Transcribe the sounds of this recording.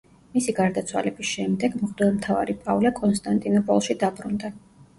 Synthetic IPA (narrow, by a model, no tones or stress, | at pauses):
misiɡaɾd̪at̪sʰwa̰lɛbisʃɛmd̪ɛɡmʁd̪ɛlˠmt̪ʰava̰ɾipʼavlɛkʼɔnst̪ʼant̪ʼinɔpʼɔ̰lˠʃid̪abɾund̪a